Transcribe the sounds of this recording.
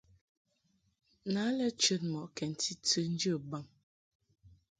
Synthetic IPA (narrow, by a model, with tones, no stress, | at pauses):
na˨˦lɛ˦t͡ʃə˦t̚mɔ˨ʔkɛ˨n̩˨tʰi˦tʰə˦n̩˦d͡ʒə˦˨ba˨m